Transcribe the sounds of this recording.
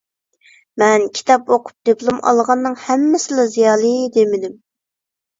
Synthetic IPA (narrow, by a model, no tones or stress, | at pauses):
mɛnkʲʰi̥t̪ʰɑpoqʰʊ̥p̚d̪iplˠumɑ̰lˠʁɑnːɨŋhɛmːɪsɪlɛzijɑːlˠɨd̪emɪd̪ɪm